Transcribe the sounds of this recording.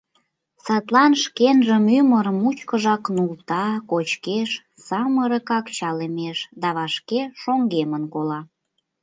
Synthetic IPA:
sɑt̪lɑnʃkenʒəmyməɾmut͡ɕkəʒɑknult̪ɑkot͡ɕkeʃ | sɑməɾəkɑkt͡ɕɑlemeʃd̪ɑβɑʃkeʃoŋɡemənkolɑ

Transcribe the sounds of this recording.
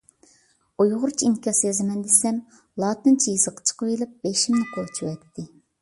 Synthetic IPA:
ojʁʊɾt͡ʃʰiiŋkʲʰɑsjɑzɨmɛnd̪esɛm | lˠɑːt̪ɨnt͡ʃʰijiz̥əqʰə̥t͡ʃʰə̥qəwelˠɨp̚b̥eʃimnɪkʰolˠt͡ʃʰuwɛt̪ʰːɪ

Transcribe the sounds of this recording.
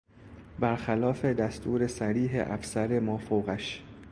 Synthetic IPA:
bæɾxælɒːfe̞d̪æst̪ʰuːɾe̞sæɾiːɦḛʔæfsæɾe̞mɒːfowɣæʃ

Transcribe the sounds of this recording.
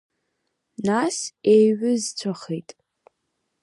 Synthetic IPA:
nasejɥʊzt͡sʷʰaχejtʼ

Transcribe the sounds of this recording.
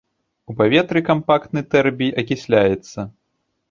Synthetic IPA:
upavʲɛt̪ɾɨkampakt̪nɨt̪ɛrbʲijɐkʲisʲlʲajɛt̪sːɐ

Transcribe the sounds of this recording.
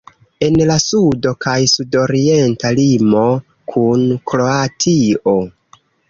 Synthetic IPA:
e̞nlasudo̞kajsudo̞ɾie̞ntalimo̞ | kʰunkɾo̞atʰio̞

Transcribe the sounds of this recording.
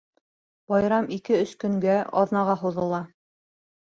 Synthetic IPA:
b̥ɑjɾɑmikɘɵʃkɵ̆ŋɡæʔɑ̰ðnɑʁɑɦuðɤ̆lˠɑ

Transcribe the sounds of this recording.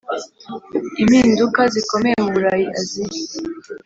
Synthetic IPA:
imhiːndukaziko̞me̞jemuβuɾajiʔaziji

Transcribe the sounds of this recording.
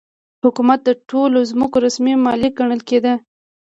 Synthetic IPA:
hʊkumat̪̚d̪əʈʰolozmʊkoɾasmimɑlik̚ɡaɳ̃əlked̪ə

